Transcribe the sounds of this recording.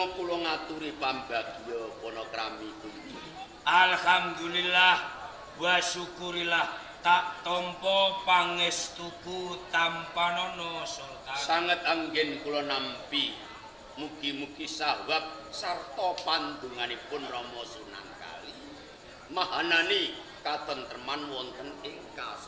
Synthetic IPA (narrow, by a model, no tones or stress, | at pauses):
kulɔŋat̪uɾipambaɡ̥i̤jɔpɔnɔkɾamikut̪u | ʔalhamd̪ulilah | waʃukuɾilah | t̪aʔt̪ɔmpɔpaŋɪst̪ukut̪ampanɔnɔsɔ | asaŋət̪̚aŋɡɛnkulɔnampi | mukimukisawap̚ | sart̪ɔpand̪uŋanipʊnrɔmɔsuna̰ŋka̰li | maɦanani | kat̪ənt̪ərmanwɔnt̪ənɪŋka̰sɔ